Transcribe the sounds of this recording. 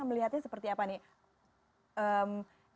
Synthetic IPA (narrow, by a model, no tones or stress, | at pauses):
məliɦat̪̚ɲasəpərt̪iapani | əm